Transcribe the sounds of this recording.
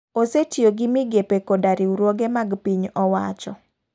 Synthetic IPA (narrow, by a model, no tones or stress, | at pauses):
osetjoɡɪmɪɡepekodaɾiuɾwoɡemaɡpiɲɔwat͡ʃɔ